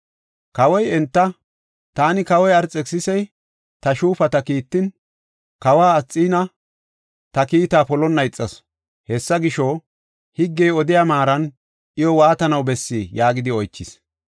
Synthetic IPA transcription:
kɐwɔjɛnt̪ːɐ | t̪aːnɪkɐwɔjɐɾt͡sʼːɛksɪsɛj | t̪ɐʃuːfɐt̪ɐkiːt̪ːɪn | kɐwaːt͡sʼːiːnɐ | t̪ɐkiːt̪aːpɔlɔnːɐjɪt͡sʼːɐs | hɛsːɐɡɪʃɔ | hɪɡːɛjɔd̪ɪjamaːɾɐn | ʔɪjɔwaːt̪ɐnɐwbɛsːiːjaːɡɪd̪ɪɔjt͡ʃːɪs

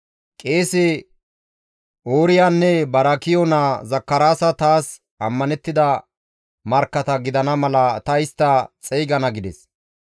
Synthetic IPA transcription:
kʼe̞ːsɛ | oːɾɪjaːnːɛbɐɾɐkɪjɔnazɐkːɐɾaːsɐt̪aːs | ɐmːɐnɛt̪ːɪd̪ɐ | mɐɾkːɐt̪ɐɡɪd̪ɐnɐmɐlɐt̪ɐɪst̪ːɐt͡sʼɛjɡɐnɐɡɪd̪ɛs

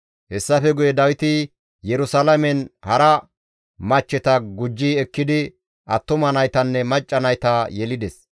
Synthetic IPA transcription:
hɛsːɐfɛɡʊjɛd̪ɐwɪt̪ɪ | jɛɾʊsɐlɐmɛnhɐɾɐ | mɐt͡ʃːɛt̪ɐɡʊd͡ʒːiɛkːɪd̪ɪ | ʔɐt̪ːʊmɐnɐjt̪ɐnːɛmɐt͡ʃʼːɐnɐjt̪ɐjɛlɪd̪ɛs

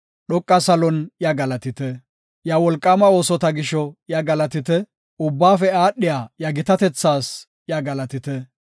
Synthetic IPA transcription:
ɗɔkʼːɐsɐlɔnjɐɡɐlɐt̪ɪt̪ɛ | jɐwɔlkʼːɐmɐoːsɔt̪ɐɡɪʃɔjɐɡɐlɐt̪ɪt̪ɛ | ʊbːaːfɛaːɗːɪjaːjɐɡɪt̪ɐt̪ɛt͡sːaːs | jɐɡɐlɐt̪ɪt̪ɛ

